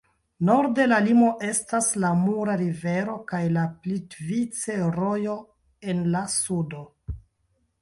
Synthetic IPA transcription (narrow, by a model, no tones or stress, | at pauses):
no̞ɾde̞lalimo̞ʔe̞staslamuɾaɾive̞ɾo̞kajlaplitvit͡se̞ɾo̞jo̞ | e̞nlasudo̞